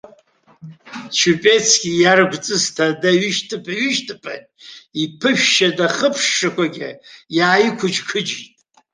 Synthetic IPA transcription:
t͡ʃʰupʼe̞t͡sʰɡʲijarɡʷt͡sʼɨztʰadaɥyʃtʼʰɨpʰʼaɥyʃtʰʼapʰa̰ | ipʰɨʃᶣʃadaχəpʰʂːakʷʰaɡʲɪ̰jaːjikʷʰʊd͡ʒkʰɨd͡ʒitʼ

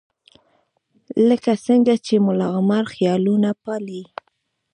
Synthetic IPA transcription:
ləkasəŋɡat͡ʃemʊlɑɣmaɾxjɑlunapɑli

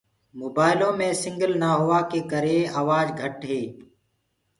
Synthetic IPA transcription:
moːbaːɪlõːmẽːsɪŋɡəlnaːɦʊʋaːkeːkəɾeːaːʋaːd͡ʒɡʱəʈɦeː

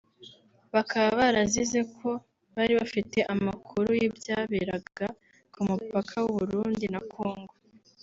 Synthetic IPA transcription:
βakaβaβaɾazize̞kʰo̞ | βaɾiβafite̞ʔamakʰuɾujibjaːβeɾabɡ̥a | kumupakʰawuβuɾuːndinakʰo̞ːŋɡo̞

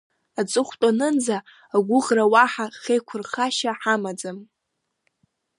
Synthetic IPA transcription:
at͡sʼɨχʷtʼanɨnd͡zaː | ɡʷʊʁrawaħaχejkʷʰʊrχaʃaħamad͡zam

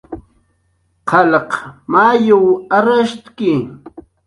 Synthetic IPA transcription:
qʰɑlɑqmaːjʊwaɾaʃt̪kɪ

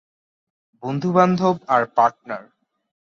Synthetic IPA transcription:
bond̪ʱuband̪ʱobaɾpaɾʈ̚naɾ

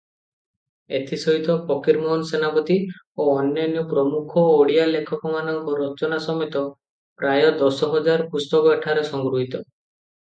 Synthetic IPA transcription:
et̪ʰisɔɦit̪ɔpɔkiɾmɔɦnsenapɔt̪i | oɔnjɔnjɔpɾɔmukʰɔːɽijalekʰɔkɔmanɔŋkɔɾɔt͡ʃɔnasɔmet̪ɔ | pɾajɔd̪ɔsɔɦɔd͡ʒaɾpust̪ɔkɔeʈʰaɾesɔŋɡɾuɦit̪ɔ

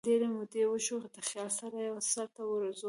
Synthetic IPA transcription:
d̪eɾemʊd̪ewəʃoxd̪əxjɑlsaɾajawasaɾt̪awəɾəzo

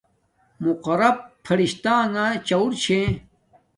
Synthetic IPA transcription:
muqɐɾɐb̚fʰɐɾiɕt̪aːŋat͡ɕɐuɾt͡ɕʰẽ

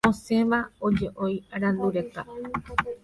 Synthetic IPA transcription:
õsẽ̞ʋao̞d͡ʒe̞ʔo̞jɾãnd̪uɾe̞t̪a

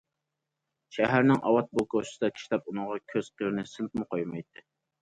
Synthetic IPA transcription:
ʃæɦæɾnɪŋʔɑ̰wɑt̪̚bokoʃsɨd̪ɑkʲʰi̥ʃlɛp̚unɨʁɑkʲʰøz̥qʰəɾnɪsɨlt̪̚mɨqʰojmɑjt̪ʰːɨ

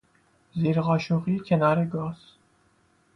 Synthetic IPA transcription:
ziːɾʁɑːʃuʁikʰenɑːɾeɡɑːz̥

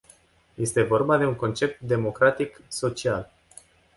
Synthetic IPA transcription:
je̞st̪e̞vo̞rbad̪e̞uŋko̞nt͡ʃe̞p̚t̪d̪e̞mo̞kɾat̪ikso̞t͡ʃial

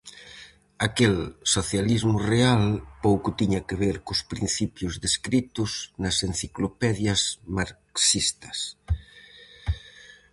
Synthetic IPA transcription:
akelsoθjalizmʊrealpowkʊt̪iɲɐkɪβ̞eɾkʊspɾin̟θipjʊzðeskɾit̪ʊznɐsen̟θiklopɛðjɐzmaɾksist̪ɐs

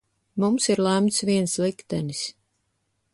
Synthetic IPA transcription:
mumsiɾlˠæmt̪sviɛnslˠikt̪ɛnis

